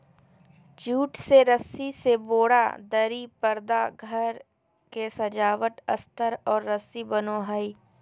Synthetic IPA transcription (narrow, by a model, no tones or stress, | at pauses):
d͡ʒuːʈseɾəsiseboːɽa̰d̪əɾipəɾd̪aɡʱəɾ | kesɐd͡ʒaːʋət̪ə̰st̪əɾɔːɾːəsibənoːɦəi